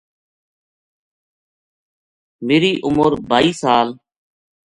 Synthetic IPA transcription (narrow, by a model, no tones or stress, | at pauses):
meːɾiːʔʊməɾbʱaːiːsaːl